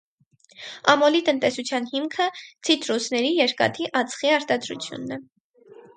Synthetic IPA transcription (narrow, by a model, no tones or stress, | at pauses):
ɑ̰mɔlit̪ənt̪ɛsut͡sʰjɑn̪himkʰət͡sʰit̪ɾusnɛɾijɛɾkɑ̰t̪ʰiʔɑt͡sʰχiɑɾt̪ɑd̪ɾṵt͡sʰjṵnːɛ